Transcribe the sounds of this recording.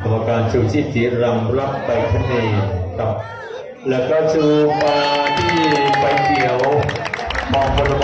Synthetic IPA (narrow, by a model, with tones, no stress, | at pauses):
a˧mːa˧kaː˧nt͡ɕʰuː˧˩t̪ʰiː˥˩si˩˦ɾa˧ŋ˧la˦˥˩p̚pa˧jt̪ʰa˧˥˦neː˧˨˩kʰa˦˩p̚ | lɛː˦˥wkɔː˥˩t͡ɕʰɯː˧pa˧t̪ʰiː˥˩pa˧jki˨˩əw | mɔː˧ŋpʰa˧la˧m